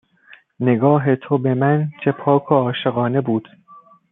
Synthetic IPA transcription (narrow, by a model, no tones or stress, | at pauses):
ne̞ɡɒːɦet̪ʰobe̞mænt͡ʃʰepʰɒːkʰoɒːʃe̞ɣɒːnebuːd̪̥